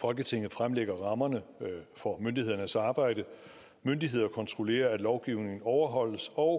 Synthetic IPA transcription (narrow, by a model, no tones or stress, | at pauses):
fɒ̽lɡ̥ət͡sʰe̝ŋ̰ð̞̩ˠfʁamleɡ̥ɐʁɑ̈mɐnəfɒ̽mønd̥ihe̝ð̞̰ˠɐnəsɑ̈ːb̥ɑ̈ɪ̰d̥ə | mønd̥iɦe̝ð̞̰ˠɐkʰɒ̽nt͡sʰʁo̝le̝̰ːɐæd̥lɒʊɡ̥iʊne̝ŋn̩ɒʊɐɦɒ̽l̰əsɒ̽ʊ